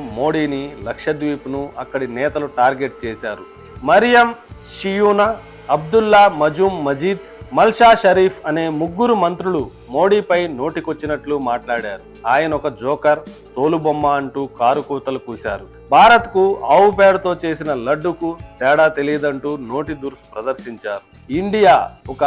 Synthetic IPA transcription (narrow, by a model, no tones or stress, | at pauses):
mo̞ːɽiːnilɐkʂɐd̪ʋiːpunuɐkːɐɽinɛːt̪ɐluʈaːɾɡe̞ʈ̚t͡ʃeːsaːɾu | mɐɾjɐmʃijuːna | ɐb̚d̪ulːaːmɐd͡ʒuːmːɐd͡ʒiːd̪ | mɐlʂaːʃɐɾiːpʰɐne̞ːmuɡːuɾumɐnt̪ɾuɭu | mo̞ːɽiːpɐjno̞ːʈikot͡ʃːinɐʈlumaːʈlaːɽaːɾu | aːjɐnɐɔkɐd͡ʒɔːkɐɾt̪o̞ːlubɐmːaːɐɳʈuːkaːɾukuːt̪ɐlukuːsa̰ːɾu | bʱaːɾɐt̪kuɐːwpɛːɽt̪o̞ːt͡ʃe̞ːsinɐlɐɖːukut̪ɛːɽaːt̪e̞lijɐd̪ɐɳʈuːno̞ːʈid̪uɾsu̥pɾɐd̪ɐɾʃiɲt͡ʃaːɾu | iɳɖijaːɔkɐ